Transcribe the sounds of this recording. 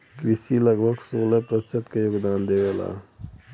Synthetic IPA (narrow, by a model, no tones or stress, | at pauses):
kɾɪsiləɡbʱəɡsoːlepɾət͡ʃət̪kejoːɡd̪aːnd̪eʋela̰ː